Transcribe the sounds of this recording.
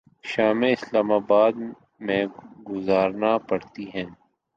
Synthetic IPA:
ʃaːmeɪslaːmaːbaːd̪ | mẽɡʊzaːɾnapɐɽt̪iɦɛ̃ː

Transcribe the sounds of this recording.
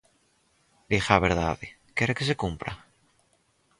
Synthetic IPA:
d̪ixaβeɾða̰ðe | keɾekes̬ekumpɾa̰

